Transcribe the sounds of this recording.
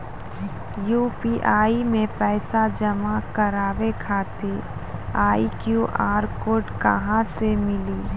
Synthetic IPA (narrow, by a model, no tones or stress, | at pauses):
juːpiʔaːimẽpɛːsad͡ʒəmakəɾaːʋekʰaːt̪e | aːikjuʔaːɾkoːɾʈkɐ̰ɦãsemɪli